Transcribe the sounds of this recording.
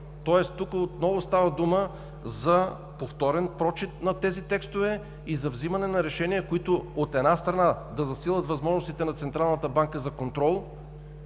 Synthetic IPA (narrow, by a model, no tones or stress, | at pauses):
t̪ɔɛstt̪ukəot̪nɔvʊst̪avɐd̪umə | zɐ | poft̪ɔɾɛnpɾɔt͡ʃit̪nɐt̪ɛzit̪ɛkst̪ovɛ | izɐvzimɐnɛnɐɾɛʃɛniɛkoit̪ʊot̪ɛnast̪ɾɐnad̪ɐzɐsilˠət̪vɐzmɔʒnost̪it̪ɛnɐt̪sɛnt̪ɾalˠnət̪əbaŋkəzɐkont̪ɾɔlˠ